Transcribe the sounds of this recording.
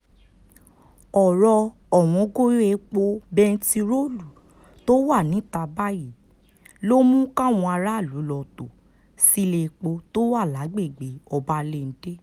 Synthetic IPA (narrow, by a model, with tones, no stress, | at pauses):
ɔ˨ɾɔ˧ | ɔ˨w̃ɔ̃˨˧ɡo˦je˧k͡po˧bɛ˧n̩˦ti˧ɾo˦lu˨ | to˦wa˦˨nĩ˨˦ta˧ba˦ji˦˨ | lo˦mũ˦kã˦˨w̃ɔ̃˧a˧ɾa˦˨lu˨˦lɔ˧˨to˨ | si˦le˧k͡po˧to˦wa˦˨la˨˦ɡ͡be˦˨ɡ͡be˨˦ɔ˧ba˦le˦˨n̩˨˦de˦